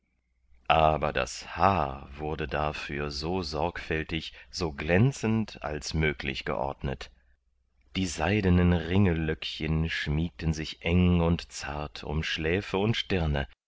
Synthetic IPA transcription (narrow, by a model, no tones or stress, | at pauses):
ʔaːbɐda̰shaːɐvʊɐdədafyːɐzoːzɔɐkfɛltɪçz̥oːɡlɛnt͡sən̩ta̰lsmøːklɪ̰çɡ̥ə̰ʔɔ̰ɐdnət | d̥iːzaɪdənənʁɪŋəlœkçənʃmiːk̚tənzɪçʔɛŋʊntt͡sa̰ɐtʰʊ̰mʃlɛːfəʊntʃtɪɐnə